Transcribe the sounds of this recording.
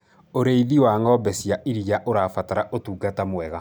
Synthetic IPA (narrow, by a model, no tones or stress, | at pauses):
oɾeiðiwaːŋɔbɛsiaʔiɾiaʔoɾaːfataɾaʔotuɡatamwɛɣa